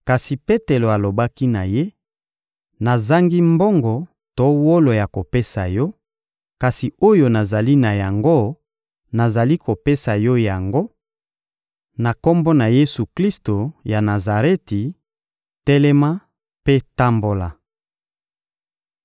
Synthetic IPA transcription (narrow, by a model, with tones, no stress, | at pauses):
ka˨si˨pe˦te˨lo˨a˨lo˨ba˦ki˦na˨je˦ | na˨za˦ŋɡi˦mbo˦ŋɡɔ˨ | to˦wo˦lo˨ja˨ko˨pe˦sa˨jɔ˦ | ka˨si˨o˦jo˨na˨za˨li˦na˨ja˨ŋɡo˦ | na˨za˨li˦ko˨pe˦sa˨jɔ˦ja˨ŋɡo˦ | na˨ko˦mbo˦na˨je˦su˨kli˦sto˨ja˨na˨za˨ʁe˦ti˨ | tɛ˦lɛ˦ma˦ | pe˦ta˦mbo˨la˨